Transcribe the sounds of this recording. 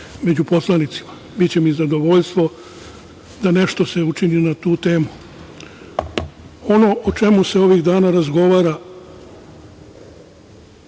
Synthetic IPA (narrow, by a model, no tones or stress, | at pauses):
me̞d͡ʑupo̞slanit̪si̥ma | bit͡ɕe̞mizad̪o̞ʋo̞ʎst̪ʋo | d̪ane̞ʃt̪o̞se̞ut͡ʃininat̪uːt̪e̞ːmu | o̞no̞ʔot͡ʃe̞museo̞ʋiɣd̪aːnaɾazɡo̞ʋaːɾa